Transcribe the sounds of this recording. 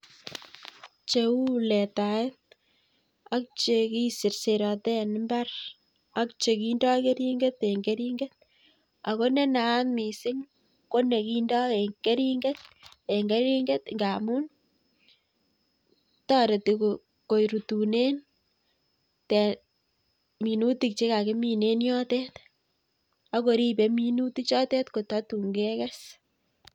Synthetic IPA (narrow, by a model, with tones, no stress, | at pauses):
t͡ʃeu˦lɛ˨tae˦t̚ | a˦k̚t͡ʃe˨ki˦si˨ɾse˨ɾɑ˨tɛ˦nmba˦r | a˦kt͡ʃe˨ki˦ndɔ˦ke˦ɾi˦ŋɡe˦t̪e˨ŋɡe˦ɾiŋɡe˦t̚ | a˨ko˦nɛ˦na˨˦nmi˨sɪ˦ŋ | ko˦ne˨ki˦ndɔ˦eɡe˦ɾi˦ŋɡe˦t̪̚e˨ŋɡe˦ɾi˦ŋɡe˦tŋɡa˨mu˦n | tɔ˦ɾe˨ti˨ko | ko˨jɾu˨tu˨ne˦n | te˨ | mi˨nu˦ti˨k̚t͡ʃe˦ka˨ke˦mi˦ne˦njɔ˦te˦t | a˦ko˨ɾi˦be˦mi˦nu˦ti˦t͡ʃɔ˦te˦tko˨tɑ˦tu˨ŋɡe˦kɛ˦s